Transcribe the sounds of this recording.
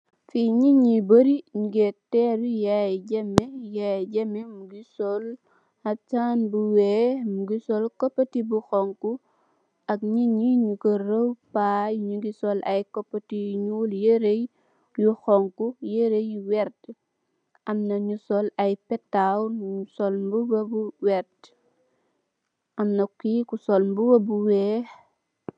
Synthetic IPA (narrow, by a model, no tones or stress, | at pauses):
fiɲiɲiboɾiɲuɡɛtɛɾujajɟɐmːɛjajɟɐmɛmuɡisɔl | hɐt͡ʃaːnbuwɛːmuɡisɔlkɔpːɐtibuxɔŋku | ɐk̚ɲiɲiɲukəɾəwpajɲuɡisɔlɐ̰jkɔpːətiɲuljeɾej | juxɔŋkujeɾejwɛɾt | ʔɐmnɐɲusɔlɐjpɛtːawnɲusɔlmbubɐbuwɛɾt | ʔɐmnɐkːikusɔlmbubɐbuwɛːx